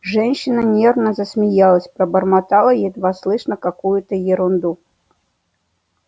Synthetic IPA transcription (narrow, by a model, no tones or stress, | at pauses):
ʐɛnʲɕːɪnənʲernəzəsmʲɪjalˠəsʲpɾəbərmat̪alˠəjɛd̪vaslˠɨʂnəkakujʊt̪əjɪɾʊnd̪u